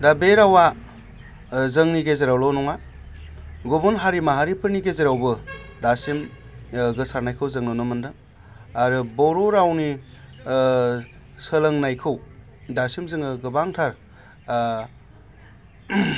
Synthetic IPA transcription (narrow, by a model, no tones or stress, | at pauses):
dabeɾawa | zɯŋniɡezeɾawlɔnɔŋa | ɡobunɦaɾimaɦaɾipʰɯɾniɡezeɾawbɯdasim | ɡɯsaɾnajkʰɯwzɯŋnɯnɯmɯndɯ | aɾɯbɔɾɔɾawni | səlɯŋnajkʰɯw | dasimzɯŋɯɡɯbaŋtʰaɾ